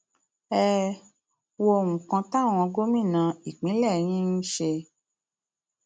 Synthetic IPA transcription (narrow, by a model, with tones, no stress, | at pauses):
ɛ˦ | wo˧˦˨wũ˨kã˧ta˦˨w̃ɔ̃˧ɡo˦mĩ˦˨nã˧i˨k͡pĩ˨˦lɛ˦˨j̃ĩ˦n̩˦ʃe˧